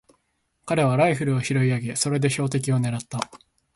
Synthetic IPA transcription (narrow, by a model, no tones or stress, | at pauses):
kaɾe̞β̞aɾaiɸɯ̟ɾɯ̟oçiɾo̞iaɡe̞so̞ɾe̞d̪e̞ɕo̞ːt̪̬e̞k̬ʲio̞ne̞ɾat̪ːa